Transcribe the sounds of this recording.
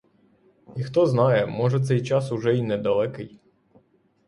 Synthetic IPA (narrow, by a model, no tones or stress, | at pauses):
ixt̪ɔznɑjɛmɔʒɛt̪sɛjt͡ʃɑsʊʒɛinɛd̪ɐlˠɛkɪj